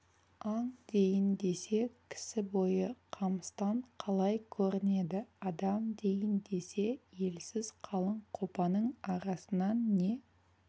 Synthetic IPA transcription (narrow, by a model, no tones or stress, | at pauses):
ɑɴd̪e̞jɪnd̪e̞se̞kʲʰɪ̥sɪbo̞jəqʰɑməst̪ɑɴqʰɑlˠɑjkʲʰɵɾɪne̞d̪ɪɑd̪ɑmd̪e̞jɪnd̪e̞se̞je̞lsɪz̥qʰɑlˠəɴqʰo̞pɑnəɴɑɾɑsənɑnːe̞